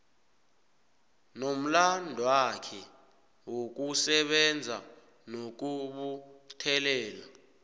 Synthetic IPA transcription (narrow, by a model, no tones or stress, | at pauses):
nom̩landʱwakʰɛ | wok̬usɛɓɛnd͡zʱa | nok̬uɓutʰɛlɛːla